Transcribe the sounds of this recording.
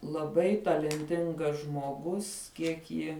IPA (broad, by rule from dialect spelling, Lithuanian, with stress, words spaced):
lˠɐˈbɐɪ tɐlʲɛnʲˈtʲɪŋɡɐs ʒmoːˈɡʊs ˈkʲiɛk jɪ